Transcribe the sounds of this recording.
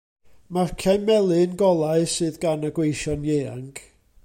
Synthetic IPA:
markʰajmɛlˠɨnɡɔlˠaɨsɨːðɡanəɡwejʃɔnjeːa̰ŋɡ̥

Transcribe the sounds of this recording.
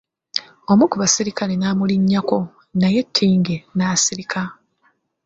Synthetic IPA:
o̞mukuβasiɾikalenaːmuliɲːako̞ | naje̞tʰːiːŋɡenaːsiɾikʰa

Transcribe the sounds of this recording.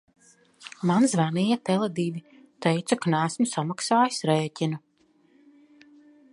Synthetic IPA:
manzvanijat̪ɛlˠad̪iːvi | t̪ɛjt̪sakanæːsmusamaksaːjsɾɛːcʲinu

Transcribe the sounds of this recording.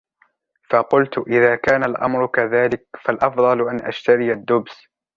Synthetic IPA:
fɑqʊlt̪ʔɪðaːkaːnalʔɑ̰mɾʊkaðaːlɪkfalʔɑfd̪ˤɑlʔanʔa̰ʃt̪aɾɪjad̪ːʊbs

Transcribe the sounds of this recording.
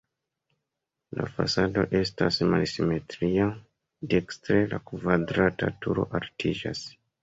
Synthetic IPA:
la̰fasado̞ʔe̞stasmalsime̞tɾia | dekstɾelakvadɾatatuɾo̞̰ʔaltʰid͡ʒa̰s

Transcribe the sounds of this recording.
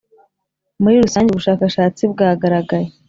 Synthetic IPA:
muɾiɾusaːɲɟuβuʃaːkaʃaːt͡sibɡaːɡaɾaɡaje

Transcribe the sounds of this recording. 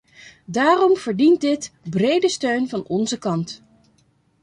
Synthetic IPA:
daːrɔmv̥əɹdint̚dɪtbrejdəstøɥnvɑnɔnzəkɑnt

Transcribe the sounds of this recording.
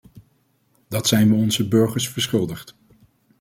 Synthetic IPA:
d̥ɑtsɛjnʋəɔnzəbɵɹχəɹsfəɹsχɪlˠdəχt

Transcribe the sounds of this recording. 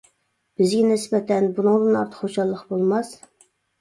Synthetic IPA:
b̥ɪzɡʲɛnɪsbɛt̪ʰɛnbunɨŋd̪ɨnɑɾt̪ʰə̥qχoʃɑlˠːəqbolˠmɑs

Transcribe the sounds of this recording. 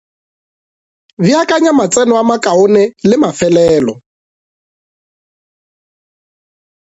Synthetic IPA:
viakʼaɲamat͡sʼɛnɔamakʼaʊnɛlɪmafɛlɛːlɔ

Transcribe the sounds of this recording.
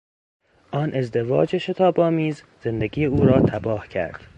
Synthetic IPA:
ʔɒːnʔe̞zd̪e̞vɒ̰ːd͡ʒeʃe̞t̪ʰɒːbɒːmiːz | z̥e̞nd̪eɡiːeuːɾɒːt̪ʰæbɒːhcʰæ̰ɾd̪̥

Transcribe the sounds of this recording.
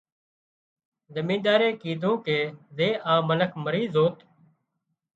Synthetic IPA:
zəmĩːd̪aːɾeːkiːt̪ũːkeːzeːʔaːmənəkʰməɾiːzoːt̪

